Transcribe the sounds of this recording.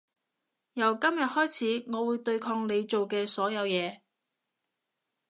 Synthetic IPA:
jɐ˨˩wkɐ˥mjɐ˨t̚hɔː˥jt͡sʰiː˨˥ŋɔː˨˧wuː˨˧jt̪ɵ˧ɥkʰɔː˧ŋne˨˧jt͡so˨wkɛː˧sɔː˨˥jɐ˨˧wjɛː˨˧

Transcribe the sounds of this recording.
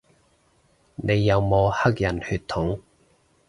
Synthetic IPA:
nʔe˨˧jːɐ˨˧wmɔː˨˧hɐ˥k̚jɐ˨˩nhyː˧t̪̚ʰːʊ˨˥ŋ

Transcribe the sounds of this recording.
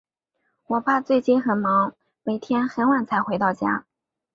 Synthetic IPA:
wɔ˨˩pʰa˥˧t͡swe˥˧ɪt͡ɕi˥˩nxə˨˩nmɑ˧˥ŋ | me˨˩ɪt̪ʰjɛ˥nxə˧˥nwa˨˩nt͡sʰa˧˥ɪxwe˧˥ɪt̪ɑ˥˩ʊt͡ɕja̰˥

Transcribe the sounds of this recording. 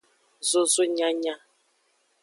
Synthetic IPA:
zo˦zo˦ɲa˦ɲã˦

